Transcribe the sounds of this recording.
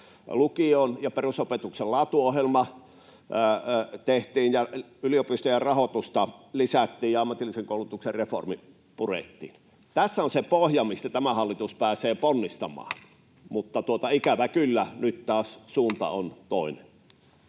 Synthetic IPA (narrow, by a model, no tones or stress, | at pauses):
lukionjɑperusopet̪uksellɑːt̪uohjelmɑ | t̪eht̪iːnjɑ | yliopist̪ojerɑhot̪ust̪ɑlisæt̪ːiːjɑɑmːɑt̪ilːˑiseŋkoˑulut̪ukserrefo̰rmi | purḛˑt̪ːḭːn | t̪æsːæonsepohjɑmist̪æt̪æmæhɑlːit̪uspæːseːponːist̪ɑmɑ̰ːn | mut̪ːɑt̪uot̪ɑikæʋækylːænyt̪t̪ɑːssuːnt̪ɑ̰ont̪oˑinen